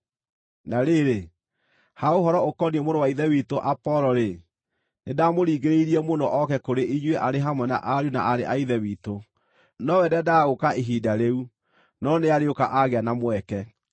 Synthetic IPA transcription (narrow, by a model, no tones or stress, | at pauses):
naɾeɾe | haoɦɔɾɔokɔniɛmoɾowaiðɛwitoʔapɔlɔɾe | nedaːmoɾiːɣeɾeiɾiɛmonɔʔɔkɛkoɾeʔiɲweʔaɾeɦamwɛna̰ʔaɾjuna̰ʔaɾḛʔaiðɛwito | nɔwɛdɛdaɣokaeɦiːdaɾeu | nɔneaɾeokaʔaɣeanamwɛkɛ